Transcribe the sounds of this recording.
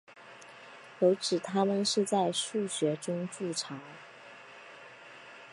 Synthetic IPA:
jo˧˥ʊʈ͡ʂɻ̩˨˩t̪ʰa˥mə˨nʂɻ̩˥˧t͡sa˥˧ɪʂu˥˩ɕɥɛ˧˥ʈ͡ʂʊ˥ŋʈ͡ʂu˥˩ʈ͡ʂʰɑ˧˥˦ŋ

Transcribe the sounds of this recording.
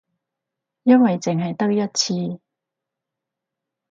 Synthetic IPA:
jɐ˥nwɐ˨jt͡sɪ˨ŋɦɐ˨jt̪ɐ˥k̚jɐ˥t̚t͡sʰiː˧

